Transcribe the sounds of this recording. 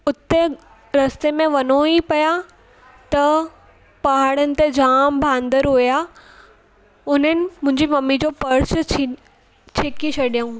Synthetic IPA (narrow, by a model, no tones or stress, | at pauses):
ʊt̪ːe | ɾɐst̪emẽʋɐnoipɐja | t̪ɐ | paɦaɽənɪ̆t̪ed͡ʑaːmbʱãːnd̪əɾɦoːja | ʊn̤ənɪ̆mʊ̃ɦɪ̃ɲd͡ʑimɐmid͡ʑopɐɾsʰ | t͡ɕʰɪkit͡ɕʰɐɗijũ